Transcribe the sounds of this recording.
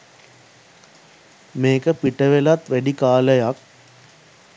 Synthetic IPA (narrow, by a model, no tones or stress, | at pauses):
meːkəpiʈəʋelat̪ʋæɖikaːləjak̚